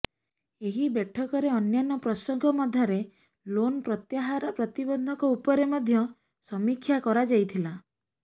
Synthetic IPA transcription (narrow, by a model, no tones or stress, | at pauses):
eɦibeʈʰɔkɔɾeɔnjanɔpɾɔsɔŋɡʱɔmɔd̪ʱaɾe | lonɔpɾɔt̪jaɦaɾɔpɾɔt̪ibɔnd̪ʱɔŋkɔupɔɾemɔd̪ʱjɔ | sɔmikʰːjakɔɾad͡ʒajt̪ʰila